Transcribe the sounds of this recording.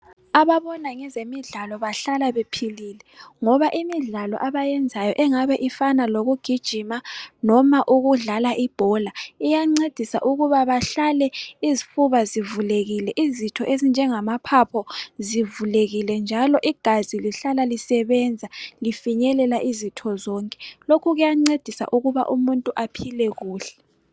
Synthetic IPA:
aβaβɔnaŋɛzemiɮalɔβaɬalaβepʰililɛŋɔβaʔimiɮalɔ̰ʔaβajɛnd͡zʱajɔʔɛŋaβɛʔifanaloɣuɡ̥ʱid̥ʒ̥ʱimanɔmaʔuɣuɮalaʔib̥ʱɔlaijaŋ͡ǀed̥ʱisa̰ʔuɣuβaβaɬalɛizifuβazivuleɣilɛʔizitʰɔʔezind͡ʒʱɛŋamapʰapʰɔzivuleɣilɛnd͡ʒʱalɔʔiɡ̥ʱaziliɬalalisɛβɛnd͡zʱalifiɲɛlɛlaʔizitʰɔzɔŋkʼɛ̥lokʰuɣujaŋ͡ǀed̥ʱisa̰ʔuɣuβa̰ʔumuntʼuʔapʰilɛɣuːɬɛ̥

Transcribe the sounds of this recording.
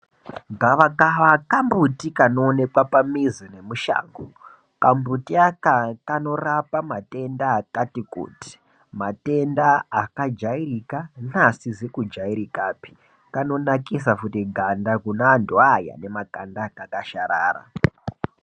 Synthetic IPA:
ŋɡaʋakaʋakambutikanoːne̞kwapamizine̞muʃa̰ːŋɡo | kambutiakakano̞rapamate̞ndaːkatikṵːti̥ | mate̞ndaakad͡ʒairikanasizekud͡ʒaiɾikaːpi̥ | kano̞nakisafutiɡʱandakunaːnduaja̰ne̞makandakakaʃaɾa̰ːra̰

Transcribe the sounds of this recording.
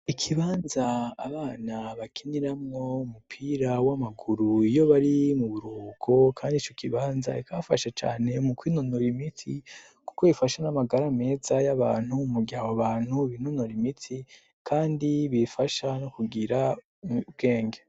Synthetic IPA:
ikʰiβaːnzaːβaːnaβakʰiniɾamŋo̞umupʰiɾawamaɡuɾuijo̞βaɾimuβuɾuːkʰokʰaːndit͡ʃokiβaːnza̰ikʰafaʃet͡ʃa̰ːne̞mukwinonoɾimitʰi | ku̥ko̞βifaʃanamaɡaɾame̞ːzajaβaːn̥humuɡiawoβaːn̥huβinonoɾimitʰi | kʰaːndiβifaʃano̞kuɡiɾa | bɡ̥e̞ːŋɡe

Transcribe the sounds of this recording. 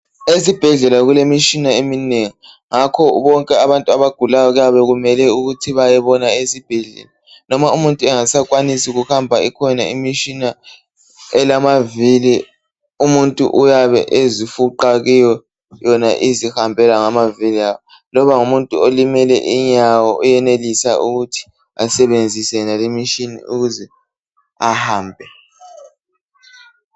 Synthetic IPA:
esib̥ʱɛɮɛlaɣulemit͡ʃʼinaemineŋi | ŋakʰɔβɔŋkʼɛaβantʼuaβaɡ̥ʱulajɔɣujaβɛɣumɛlɛuɣutʰiβajɛβɔnaesib̥ʱɛɮɛ̰la | nɔmaumuntʼuɛŋasakʼwanisiɣuhambʱaikʰɔnaimit͡ʃʼina | ɛlamavili | umuntʼṵʔujaβɛ̰ʔezifuǃaɣijɔ | jɔnaʔizihambʱɛlaŋamaviliawɔ | lɔβaŋumuntʼuolimɛlɛ̰ʔiɲawɔʔujɛnelisaʔuɣutʰi̥ | asɛβend͡zʱisɛnalemiʃinḭuɣuzɛ | ahaːmbʱɛ

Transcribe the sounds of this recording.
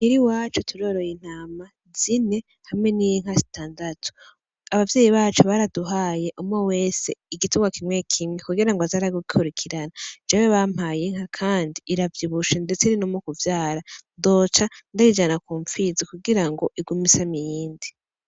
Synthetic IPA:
niɾiwaːt͡ʃotʰuɾo̞ɾo̞jin̥aːma | zine | hamŋe̞nijiŋ̥hazi̥tʰaːndatʰu̥ | aβavjeːjiβaːt͡ʃoβaɾaduɦaːje̞ʔumŋowe̞se̞iɡituɡwakimwekʰimŋekuɡiɾaŋɡoazaɾaɡuɡikʰuɾikʰiɾanad͡ʒaweβam̥aːjeŋhakʰaːndiːɾavjiβuʃendet͡seiɾinomokuvjaːɾado̞t͡ʃandaid͡ʒanakuːɱfizikuɡiɾaŋɡo̞ʔiɡumisamijiːndi

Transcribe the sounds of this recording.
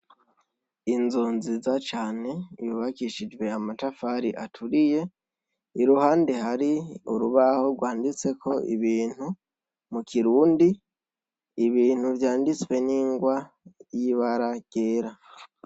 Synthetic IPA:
inzoːnzizat͡ʃaːne̞ijuβakiʃid͡ʒwe̞amatafaɾiʔa̰tʰuɾije̞ | iɾuhaːnde̞haɾiuɾuβaho̞ɡwaːndit͡se̞kʰo̞ḭβiːn̥hu | mukʰiɾuːndi | iβiːn̥huvjaːndit͡swe̞niːŋɡwa | jiβaɾaɡ̥e̞ːɾa

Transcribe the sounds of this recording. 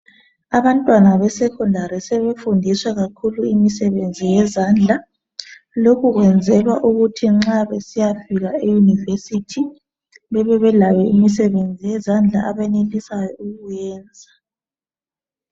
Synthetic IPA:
aβantʼwanaβɛsɛkʰundʱaɾisɛβefundʱiswɛɣakʰuluimisɛβend͡zʱijɛzand͡ɮʱa | lokʰuɣwɛnd͡zʱɛβaʔuɣutʰiŋ͡ǁaβesijafiɣaejunivesitʰi | βɛβɛβɛlajɛimisɛβend͡zʱijɛzand͡ɮʱa̰ʔaβɛnelisajɔuɣujɛːnd͡zʱa

